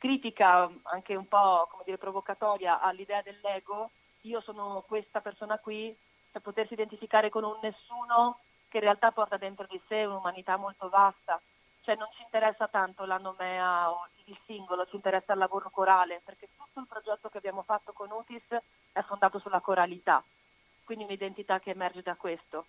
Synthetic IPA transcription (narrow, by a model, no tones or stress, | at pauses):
kɾiːt̪ikaa̰ŋkeumpɔkomed̪iːɾepɾovokat̪ɔːɾjaʔalːid̪ɛːad̪elːɛːɡo | iːosɔːnokwest̪apersoːnakwi | pepot̪ersiːd̪ent̪ifikaːɾekonunːesːuːno | k̟einrealt̪apːɔrt̪ad̪ent̪ɾod̪iseunumanit̪amːolt̪ovast̪a | t͡ʃoɛnːont͡ʃiːnt̪eɾɛsːat̪ant̪olanomɛːao | ilsiŋɡolot͡ʃint̪eɾɛsːalːavoːɾokoɾaːleperk̟et̪ːut̪ːoilpɾod͡ʒɛt̪ːokeabjaːmofat̪ːokonuːt̪is | ɛfːond̪aːt̪osulːakoɾalit̪a̰ | kwind̪iunid̪ent̪it̪akːeːmɛrd͡ʒed̪akwest̪o